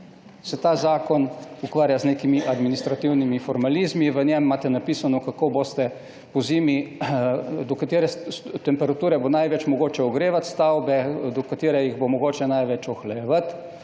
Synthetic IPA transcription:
sɛt̪aːzaːkɔnukʋaːɾjazneːkimiʔad̪minist̪ɾat̪iwnimifɔɾmalizmiʋənjɛmːaːt̪ɛnapisanɔkakobost̪ɛ | pɔzimi | d̪ɔkat̪eːɾɛt̪ɛmpɛɾat̪uːɾɛbonajʋɛt͡ʃmɔɡoːt͡ʃɛɔɡɾeːʋat̪st̪awbɛd̪ɔkat̪eːɾɛjiɣbomɔɡoːt͡ʃɛnajʋɛt͡ʃɔxlɛjɛʋat̪

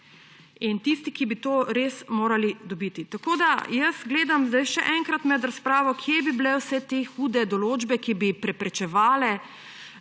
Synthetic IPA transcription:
int̪ist̪ikibit̪oːɾesmoːɾalid̪ɔbiːt̪it̪akoːd̪ajəsɡleːd̪amzd̪ajʃɛ̰ʔɛŋkɾat̪mɛd̪ɾaspɾaːʋɔkʰjebibilɛwsɛt̪exuːd̪ɛd̪ɔloːd͡ʒbɛkibipɾɛpɾɛt͡ʃɛʋaːlɛ

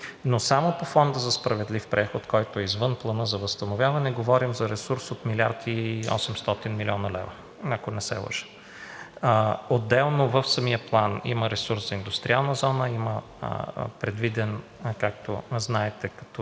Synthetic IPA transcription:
nosamopofɔnd̪əzɐspɾɐvɛd̪lifpɾʔɛxot̪kɔjt̪oɛizvɤnplˠɐnɤzɐvəst̪ɐnovʲjavɐnɛɡovɔɾimzɐɾɛsuɾsot̪milʲaɾt̪iɔ̰sɛmst̪ɔt̪inmilʲiɔnəlɛ̰vɐ | ɐkonɛsɛ̰lˠə̰ʃə̥ | od̪ːɛlˠnovəfsɐmijəplˠanḭməɾɛsuɾszɐind̪ust̪ɾʲialˠnəzɔnəimə̰ | pɾɛd̪vid̪ɛn | kak̚t̪o̰znaɛt̪ɛkɐ̥t̪ɔ

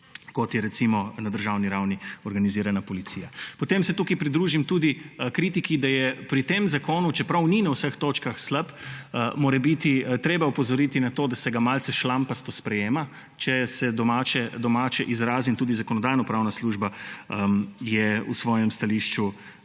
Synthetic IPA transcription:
kɔt̪jɛɾɛt̪simɔnɐd̪əɾʒawniɾawniɔɾɡaniziːɾanapɔlit̪sijapɔt̪emsɛt̪ukipɾid̪ɾuʒimt̪uːd̪ikɾit̪ikid̪ajɛpɾit̪emzakoːnut͡ʃɛpɾɐwninawsəxt̪oːt͡ʃkaxsləpmoːɾɛbit̪it̪ɾeːbaupɔzɔɾit̪inat̪od̪asɛɡamalsɛʃlampast̪ospɾɛjeːma | t͡ʃɛsɛd̪ɔmaːt͡ʃɛd̪ɔmaːt͡ʃɛʔizɾaːzint̪uːd̪izakɔnɔd̪aːjnɔpɾawnasluʒbaəjɛṵsʋɔːjɛmst̪aliʃt͡ʃu

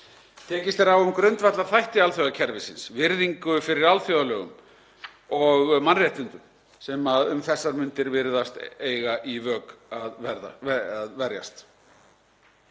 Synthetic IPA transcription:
t̪ʰɛːcɪst̪ɛɾawʏmkɾʏnt̪vat̪laɾ̥θajht̪ɪalθjowðacʰɛɾvɪsɪnsvɪɾðiŋkʏfɪɾɪɾalθjowðalœːɣʏ̰m | ɔɣmanrjɛjht̪ʏnt̪ʏ | sɛmaðʏmθɛsːaɾmʏnt̪ɪɾvɪɾðast̪eːjɣaʔivœːkaðvɛɾða̰aðvɛɾja̰st̪

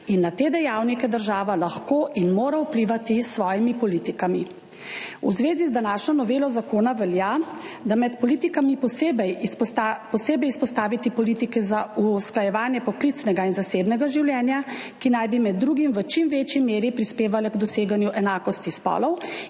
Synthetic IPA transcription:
inːat̪eːd̪ɛjawnikɛd̪əɾʒaːʋalaxkoːʔinmoːɾaupliːʋat̪isʋɔːjimipɔliːt̪ikami | ṵzʋeːzizd̪anaːʃnɔnɔʋeːlɔzakoːnaʋɛljaːd̪amɛt̪pɔliːt̪ikamipɔsebɛjapɔseːbɛjispɔst̪aːʋit̪ipɔlit̪ikɛzausklajɛʋaːnjɛpɔklit̪snɛɡainzaseːbnɛɡaʒiwljɛːnjakinajbimɛd̪ːɾuːɡimʋət͡ʃimʋeːt͡ʃjimeːɾipɾispeːʋalɛɡd̪ɔseːɡanjuʔɛnaːkɔst̪ispɔ̰ːlɔw

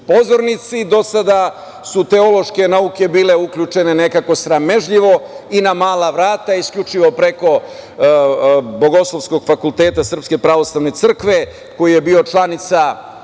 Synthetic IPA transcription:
po̞zo̞ɾnit̪sid̪o̞sad̪a | sut̪e̞o̞lo̞ʃke̞naukʲe̞biːle̞ukʎut͡ʂe̞nenekako̞sɾame̞ʒʎiʋo̞inamaːlaʋɾaːt̪aiskʎʲut͡ʂiʋo̞pɾe̞ko̞ | bo̞ɡo̞slˠoʋsko̞ɡ̥fakult̪eːt̪asr̩pske̞pɾaʋo̞slˠaʋnet̪sr̩kʋe̞ | ko̞jije̞biot͡ʃlanit̪sa

